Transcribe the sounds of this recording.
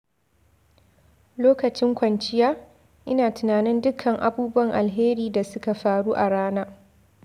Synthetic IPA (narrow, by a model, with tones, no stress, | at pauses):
loː˦kɐ˨t͡ʃɪ˦ŋkʷɐ˨nt͡ʃɪ˦jaː˦ | ʔɪ˦naː˨tʊ˨naː˨nɪ˦ndʊ˦kʰːɐ˨ŋʔa̰˨buː˦bʊ˦wɐ˨ŋʔa˨lɦeː˦ɾiː˦da˨sʊ˦ka˨ɸaː˦ɽuː˦ʔa˨ɽaː˦naː˦